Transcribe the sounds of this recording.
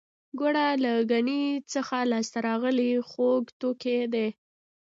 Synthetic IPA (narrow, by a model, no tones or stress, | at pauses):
ɡoɽalaɡanit͡səxalɑst̪aɾɑɣəlixoɡt̪oked̪e